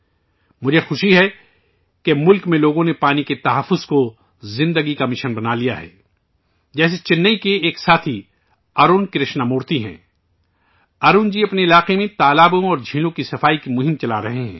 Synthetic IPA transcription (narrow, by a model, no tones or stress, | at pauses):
mʊd͡ʒʱexʊʃiɦɛ | kemʊlkmẽloːɡõnepaːniket̪ɐɦəfːʊz̥ko | zɪ̃nd̪əɡikamɪʃənbɐnalijaɦɛ̰ː | d͡ʒɛːs̬et͡ʃɪnːəikeeːksaːt̪ʰi | aːɾuːnkɾɪʃnamoːɾt̪iɦɛ̰̃ː | aːɾuːnd͡ʒiɐpneɪlaːqemẽt̪aːlaːbõɔːɾd͡ʒʱiːlõkisɐfaːikimʊɦɪmt͡ʃɐlaɾɐɦeɦɛ̃ː